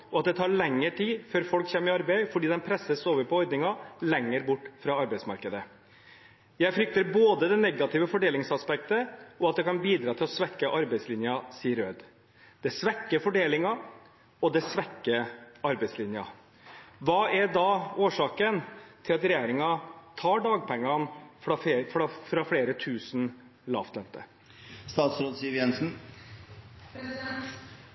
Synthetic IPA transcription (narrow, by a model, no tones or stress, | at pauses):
ʔɔɑt̪̚d̪ɛt̪ʰɑːɾɭɛŋːəʈʰiːføːɾfɔlkçɛmːəɪɑɾbæɪfɔɖiːd̪ɛnpʰɾɛsəsoːʋəɾpɔhɔʏd̪nɪŋɑlɛŋːəɾbʊʈːfɾɑɑɾbɛɪsmɑ̰ɾkəd̪ə | jæɪfɾʏk̚t̪əɾboːd̪əd̪ɛnɛɡɑt̪ʰɪʋəfɔɖeːlɪŋsɑspɛk̚t̪əɔɑt̪̚d̪ɛkɑnbiːd̪ɾɑːt̪ʰɪlɔsʋɛkːəʔɑɾbɛɪslɪnjɑsiːəɾøːd̪ | d̪̥ɛsʋɛkːəfɔɖeːlɪŋɑ | ɔd̪ɛsʋɛkːəɑɾbɛɪslɪnjɑ | ʋɑːæɖɑːoːʂɑːkənt̪ʰɪlɑt̪ɾɛjeːɾɪŋɑt̪ʰɑːɖɑːɡ̚pʰɛŋːɑnfɾɑffɾɑːfɽeːɾət̪ʰʉːsn | lɑ̰ːft̪lœnt̪ə̰ | st̪ɑːt̪sɾoːd̪siːəɾjɛnsn̩